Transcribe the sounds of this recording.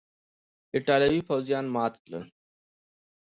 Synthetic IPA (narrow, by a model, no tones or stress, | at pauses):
ɪʈaːljəʋiːfoːzijaːnmaːt̪lə̰